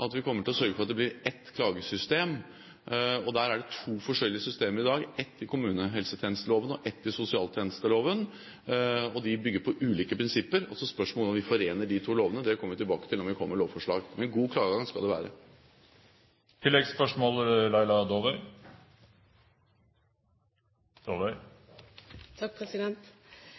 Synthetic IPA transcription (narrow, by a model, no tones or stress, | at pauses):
ʔɑt̪ʋɪkʰɔmːəʈɪlɔsœɾɡəfɔɑt̪d̪ɛblɪɾɛt̪ːkʰlɑːɡəsʏst̪eːm | ɔd̪æːɾæɖɛt̪ʰuːfɔʂɛlːɪəsʏst̪eːməɾɪd̪ɑːɡɛt̪ːɪkʰʊmʉːnəɦɛlsət̪ʰɛːnəst̪əloːʋənɔʔɛt̪ːɪsʊsɪɑːlt̪ʰjɛːnəst̪əloːʋən | ɔd̪ɪbʏɡːəɾpʰɔʔʉːliːkəpʰɾɪnsɪpːəɾɔ̰sɔspœʂmɔːlɔnʋɪfɔɾeːnəɖɪt̪ʰuːloːʋənəd̪ɛkʰɔməʋɪt̪ɪlbɑːkət̪ʰɪlɔmʋɪkʰɔmːəɭoːʋfɔʂɭɑ̰ːɡmɛnɡuːkʰlɑːɡəɡɑŋskɑld̪ɛʋæ̰ːɾə | t̪ʰɪlːɛɡspœʂmoːllæɪlɑd̪oːʋɛ | d̪̥oːʋɛɪ | t̪ʰɑk̚pʰɾɛsɪd̪ɛnt̪